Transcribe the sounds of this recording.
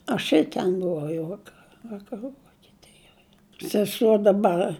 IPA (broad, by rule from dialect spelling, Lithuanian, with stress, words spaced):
ɐʃ ɪr ˈtʲɛn bʊˈʋɐʊ jɛʊ ˈʋɑːkɐ ʋɐkɐˈruː ʋoːkʲɛˈtʲɪjoːj sʲɛˈsuɔ dɐˈbɐr